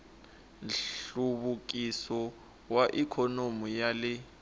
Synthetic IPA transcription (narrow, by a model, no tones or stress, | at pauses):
nɬuβuk̬ʼisɔ | waʔikʰɔnomujalɪ